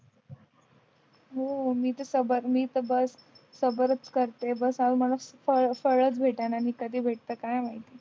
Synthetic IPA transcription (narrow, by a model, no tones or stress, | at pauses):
ɦomiːt̪esəbəɾmiːt̪əbəsː | əbəɾət͡skəɾt̪ebəsauməlafəfəɭət͡sbʱeʈananiːkəd̪ʱiːbʱeʈ̚t̪əkajmaɦit̪e